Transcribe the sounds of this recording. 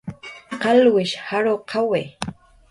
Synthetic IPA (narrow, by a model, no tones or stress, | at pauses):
qɑlwɪʃhaɾoːqʰawe